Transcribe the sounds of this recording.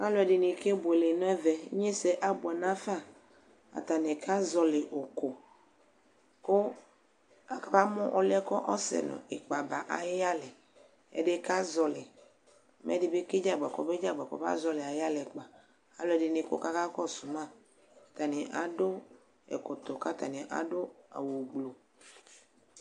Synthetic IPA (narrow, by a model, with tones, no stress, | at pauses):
a˦lɔ˨ɛ˨ɖi˨ni˨ke˦bo˨e˨le˨nɔ̃˦ɛ˦vɛ˨˦ɲe˦se˨ʔa˦bo˨ɛ˨nã˦fa˦˨ | a̰˨t̪a˨ne˨kʰa˦zɔ˨le˨ʔo˨ko˨ | ko˦ | a˨ka˦ba˦mɔ̃˦ʔo˦lɛ˦kɔ˦ʔɔ˦sɛ̰˨nɔ̰̃˨e˨k͡pa˨ba˨ʔa̰˨ja˦le˨ | ḛ˦ɖe˦ka˦zɔ˨le˨ | mʔḛ˦di˦be˦ke˦d͡ʒa˦ɡ͡ba˨kɔ˨be˦d͡ʒa˦ɡ͡ba˨kɔ̰˨va̰˦zɔ˨˦le˨a˨ja˦le˨k͡pa˨ | a˨lɔ˦ɛ˨ɖe˨ne˨ko̰˦ka˦ka˦kɔ˦su˨mã˦˨ | t̪a˨ne˨ʔa˨do˦ | ḛ˨ko˨t̪o˨ka˦t̪a˨nẽ˨ʔa̰˨ɖo˦a̰˨wu˨ɡ͡blo˨